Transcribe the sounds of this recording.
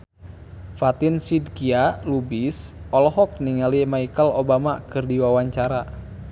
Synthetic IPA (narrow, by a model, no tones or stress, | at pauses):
fat̪insidkialubisɔlɔɦɔk̚niŋalimaikalobamakɨrdiwawaɲt͡ʃaɾa